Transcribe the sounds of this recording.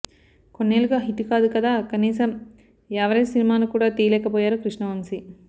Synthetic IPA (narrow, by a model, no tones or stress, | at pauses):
konːeːluɡaːɦiʈːukaːd̪ukɐd̪aːkɐniːsɐm | ɛʋɐɾɐjsinimaːnukuːɽaːt̪iːɐlɛːkɐpɔːjaːɾukɾiʂɳɐʋɐmsi